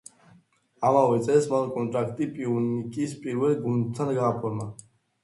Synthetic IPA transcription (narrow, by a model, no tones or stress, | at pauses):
amaɛt͡sʼɛsmankʼɔnt̪ʼɾakʰt̪ʼipʼiunikʼispʼiɾuɛlɡunt͡s̪ʰanɡəʁapʰɔɾma